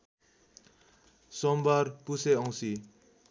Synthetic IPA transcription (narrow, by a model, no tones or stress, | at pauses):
sɔmbaɾpuseʌw̃si